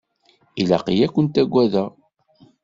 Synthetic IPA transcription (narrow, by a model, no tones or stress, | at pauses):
ilæ̰qijækʷːənt̪æɡʷːæðæ